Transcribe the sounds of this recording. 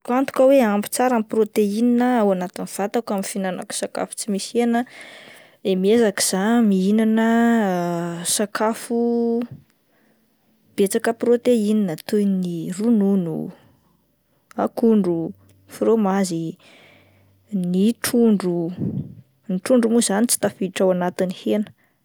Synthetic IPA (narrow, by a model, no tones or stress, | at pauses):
kant̪u̥kʲəweampi̥t͡saɾamiprot̪eininəawanat̪iniv̥at̪akamifinana̰ku̥saka̰fu̥t͡simisenə | emiezaki̥z̥amiinanə | sakʰafu | b̥et͡sakəprot̪eininat̪ojnirununṵ | a̰kuɳɖ͡ʐu | fromazi | niʈ͡ʂuɳɖ͡ʐu | niʈ͡ʂuɳɖ͡ʐumuzanit͡si̥t̪afiʈ͡ʂawanat̪inihenə̥